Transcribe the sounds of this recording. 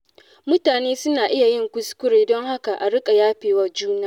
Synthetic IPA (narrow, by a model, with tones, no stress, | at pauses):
mʊ˦taː˨neː˦sʊ˦naː˨ʔɪ˦ja˨jɪ˦ŋkʷʊ˦skʷʊ˦ɾeː˨dɔ˦ŋha˦ka˨ʔa˨ɽɪ˦kʼa˨jaː˦ɸeː˨wa˦d͡ʒuː˦naː˦